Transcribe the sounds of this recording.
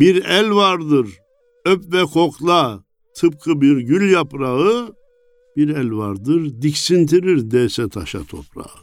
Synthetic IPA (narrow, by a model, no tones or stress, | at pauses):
biɾɛlʲvaɾd̪ɯɾ | œpvɛkʰɔklˠa | t̪ʰɯp̚kʰɯbiɾɟyljapʼɾaɯ | b̥iɾɛlvaɾd̪ɯɾd̪iksint̪ʰiɾiɾd̪ɛsɛt̪ʰa̰ʃa̰t̪ʰɔ̰pɾa̰ɯ